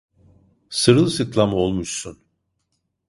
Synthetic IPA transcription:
sɯɾɯlˠsɯklˠamo̞lˠmuʃsun

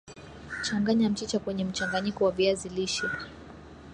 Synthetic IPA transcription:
t͡ʃaŋɡaɲam̩t͡ʃit͡ʃakwɛɲɛm̩t͡ʃaŋɡaɲikɔwaviaziliʃɛ

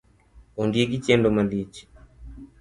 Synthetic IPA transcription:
ɔndiɛkit͡ʃɛndɔmalit͡ʃi̥

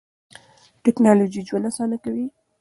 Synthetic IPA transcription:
ʈɪknɑlod͡ʒid͡ʒwanasɑnakawi

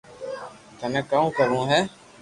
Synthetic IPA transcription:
t̪əmɛ̃ːkəũːkəɾũːɦɛː

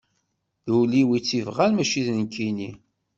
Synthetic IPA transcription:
ðuwliwit͡sːivʁalmæʃiðnənkʰːini

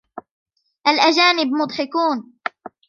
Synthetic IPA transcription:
ʔalʔad͡ʒaːnɪbmʊd̪ˤħɪkuːn

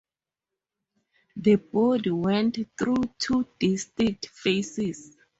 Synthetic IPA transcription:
ðəbɔdwɛ̃ntθɹutʰudistɹik̚tfesis

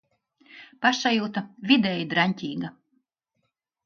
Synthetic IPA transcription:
paʃajuːt̪avʲid̪ɛːjd̪ɾanʲt̪ʲiːɡa

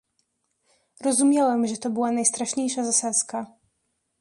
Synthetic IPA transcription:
ɾɔzumʲjawɛmʐɛt̪ɔbɘwanajst̪ɾaʂɲejʂazasat̪ska

